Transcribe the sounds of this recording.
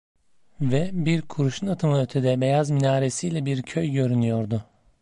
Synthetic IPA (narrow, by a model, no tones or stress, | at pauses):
vɛbiɾkʰuɾuʃunat̪ʰɯmaøt̪ʰed̪ɛbejazminaːɾesijlʲɛbiɾcʰøjɟø̞ɾynyjo̞ɾd̪ʊ